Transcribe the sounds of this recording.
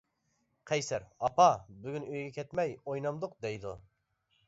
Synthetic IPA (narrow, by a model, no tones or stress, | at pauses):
qʰɛjsæɾɑpʰɑbyɡʲynøjɡʲɛkʲʰɛt̪mɛjojnɑmd̪ʊq̚d̪ɛjd̪ṵ